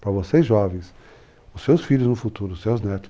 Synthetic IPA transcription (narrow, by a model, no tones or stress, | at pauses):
pɾɐvosejzʒɔvẽj̃s | ʊsːewsfiʎʊznʊfut̪uɾʊsewznɛt̪ʊ̥